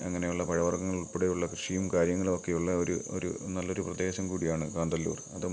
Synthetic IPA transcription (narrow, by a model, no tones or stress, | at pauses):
ɐŋːɐnejuɭːɐpɐɻɐʋɐrɡɐŋːɐɭupːuɽejuɭːɐkrɨʂijumkaːɾjɐŋːɐɭo̞kːe̞juɭːɐoɾuo̰ɾṵnɐlːo̞ɾuprɐd̪e̞ːɕɐmkuːɽijaːɳɨkaːnd̪ɐlːṵːrɐðɨ